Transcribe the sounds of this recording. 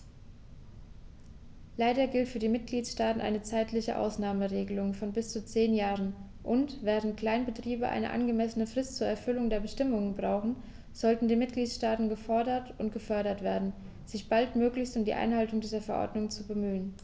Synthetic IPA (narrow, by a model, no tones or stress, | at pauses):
laɪdɐɡɪltfyːɐdiːmɪt̚ɡ̥liːtsʃtaːtn̩ʔa̰ɪnət͡saɪtlɪçə̰ʔa̰ʊsnaːməʁeːɡəlʊŋfɔnbɪst͡sut͡seːnjaːʁən | ʔʊntv̥ɛːʁ̞ənt̚kl̥aɪnbətʁ̥iːbəʔa̰ɪnə̰ʔa̰nɡəmɛsənəfʁ̥ɪstt͡suːɐɛɐfʏlʊŋdeːɐbəʃtɪmʊŋənbʁaʊxn̩ | z̥ɔltn̩diːmɪt̚ɡ̥liːtʃtaːtn̩ɡəfɔɐdɐtʔʊntɡ̥əfœɐɾɐtv̥eːɐdn̩ | z̥ɪçb̥altmøːklɪçstʊmdḭːʔa̰ɪnhaltʊŋdiːzɐfɛɐʔɔ̰ɐdnʊŋt͡subəmyːən